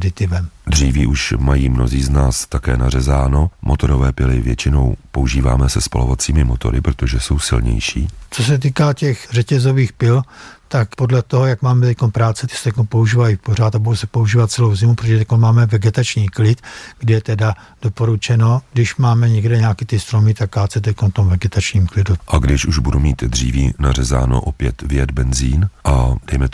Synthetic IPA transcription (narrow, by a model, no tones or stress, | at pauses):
dɪt̪ɪvɛmd̪r̝iːviːʔuʃmajiːmno̰ziːznaːst̪akɛ̰ːnarɛzaːnomʔot̪o̞ɾovɛːpɪlɪvjɛt͡ʃɪno̰wpouʒiːva̰ːmɛsɛspo̰lovat͡siːmɪmot̪o̞̰ɾɪpɾot̪oʒɛso̞wsɪ̰lɲɛ̰jʃḭːt͡so̞s̬ɛt̪̬iːkaːcɛxrɛcɛzo̞viːxpɪlt̪akpodlɛt̪oɦojakmaːmɛt̪ɛc̚ʲkonpɾaːt͡sɛt̪st̪ɛc̚konpo̞uʒiːvajipor̝at̪abudowsɛpouʒiːvat̪̚t͡sɛlo̞wzɪmupɾot̪oʒɛt̪ɛc̚ʲkonmaːmɛvɛɡɛt̪at͡ʃɲiːklɪt̪ɡdɪjɛt̪ɛda | d̥opo̞ɾut͡ʃɛno̞ɡdɪʃmaːmɛɲɛɡdɛɲaːkit̪ɪst̪ɾomɪt̪ak̚ːɾaːt͡sɛt̪ɛckonft̪omvɛɡɛt̪at͡ʃɲiːmklɪduʔaɡdɪʃuʒbudumiːt̪d̪r̝ḭːviːnar̝ɛza̰ːno̰ʔopjɛt̪vjɛd̪bɛnziːnʔad̥ɛjmɛt̪